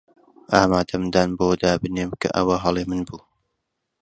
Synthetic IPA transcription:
ʔaːmaːd̪ɐmd̪aːnboːd̪aːbɨneːmkʰɐ̰ʔɐ̰wɐɦɑlˠemɨnbuː

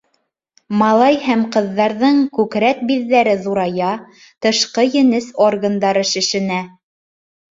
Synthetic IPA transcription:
mɑlˠɑjhæmqɤ̆ðːɑɾðɤɴkʉkɾæt̪̚biðːæɾɘðuɾɑjɑ | t̪ɤ̆ʃqɤjɘ̆nɘsorɡənd̪ɑɾɤʃɘ̆ʃɘ̆næ

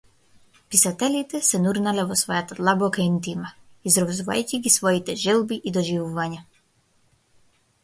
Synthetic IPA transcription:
pisat̪ɛlit̪ɛsɛnuɾnalɛvɔsvɔjat̪ad̪lˠabɔkaint̪imaizɾɔzuva̰jcʲiɡisvɔit̪ɛʒɛlˠbiʔid̪ɔʒivuvaɲa

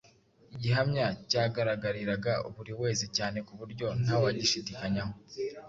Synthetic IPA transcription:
iɟiɦamɲacaːɡaɾaɡaɾiɾaɡaṵβuɾiwe̞ːzicaːne̞kuβuɾɟo̞n̥hawaɟiʃidikaɲaho̞

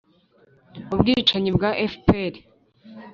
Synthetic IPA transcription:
ubɡit͡ʃaɲibɡaʔefpeɾi

